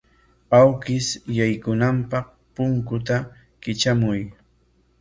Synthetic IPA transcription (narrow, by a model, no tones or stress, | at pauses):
awkɪsjajkʊnampɑχ | pʊŋkʊt̪a | kɪt͡ʃamʊj